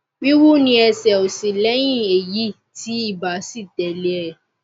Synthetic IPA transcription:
bi˦wu˦nĩ˧ɛ˧sɛ˨o˨sĩ˨lɛ˦j̃ĩ˦˨e˨ji˨˦ | ti˨˦i˦˨ba˨si˦˨tɛ˨lɛ˨˦ɛ˨

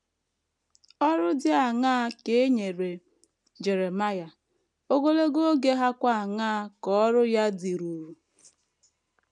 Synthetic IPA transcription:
ɔ˦ɾʊ˦dɪ˦a˨ŋaː˦ke˨˦e˦ɲe˨ɾe˨ | d͡ʒe˨ɾe˨ma˦ja˨ | o˦ɡo˦le˦ɡo˦ɡe˦ɦa˦kʷa˦a˨ŋaː˦kɔ˦ɾʊ˦ja˦di˨ɾu˨ɾu˨

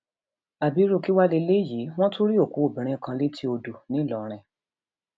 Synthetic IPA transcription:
a˨bi˨˦ɾu˦˧ki˦wa˦le˧le˦˨ji˨˦w̃ɔ̃˦to˦ɾi˦o˦˨ku˨˦o˦˨bĩ˨ɾ̃ĩ˧kã˧le˦ti˦o˧du˨nĩ˨˦˨lɔ˨ɾ̃ɛ̃˨

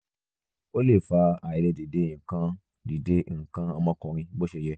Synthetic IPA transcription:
o˦le˦˨fa˧a˨i˨lɛ˧di˨dẽ˨˦ĩ˨kã˦ | di˨de˦ŋ̩˨kã˦a˧mɔ̃˧˦kɔ̃˧ɾ̃ĩ˧bo˦ʃe˧˨jɛ˧

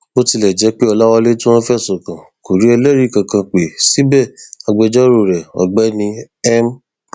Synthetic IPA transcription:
o˦ti˧lɛ˨d͡ʒɛ˨˦k͡pi˦ɔ˧la˦wɔ˧le˦tũ˦wɔ̃˦fɛ˦˨sɔ˨kã˨ku˨ɾi˨˦ɛ˧lɛ˦˨ɾi˦˨kã˨kã˧k͡pe˨si˦bɛ˦˨a˧ɡ͡bɛ˧d͡ʒɔ˦ɾo˦˨ɾɛ˨ɔ̰˨ɡ͡bɛ˨˦nĩ˧ | ɛ˦m˦

